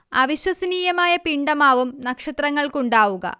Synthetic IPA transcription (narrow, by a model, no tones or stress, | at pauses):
ɐʋiɕwɐsɐniːjɐmaːjɐpiɳɖɐmaːʋumnɐkʂɐt̪rɐŋːɐɭkuɳɖaːʋuɣɐ̰